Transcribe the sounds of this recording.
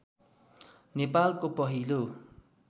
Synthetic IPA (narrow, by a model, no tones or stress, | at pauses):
nepalkopʌɦilo